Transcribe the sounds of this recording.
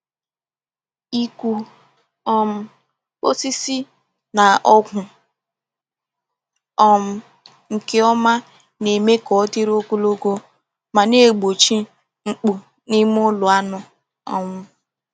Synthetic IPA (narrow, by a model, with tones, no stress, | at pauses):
i˦kʷu˦ | ɔ˦m̩˦ | k͡po˦si˦si˦ | na˨ʔɔ˦kʷʊ˨ | ɔ˦m̩˦ | ŋ̩˨ke˦ɔ˦ma˦ | ne˨me˦kɔ˨˦ti˦ɾo˦ku˦lo˦ɡo˦ | ma˨ne˦˨ɡ͡bo˨t͡ʃi˦ | ŋ͡m̩˦k͡pu˨ | ni˦m˦ʊ˦lʊ˨a˦nɔ˨ | ɔ̰˦mʊ˦